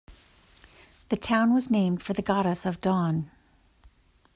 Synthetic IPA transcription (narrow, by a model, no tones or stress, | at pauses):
ðɨtʰãʊ̃nwʌznẽɪ̃md̥fə˞ðɨɡɑɾɨsʌvdɔ̃n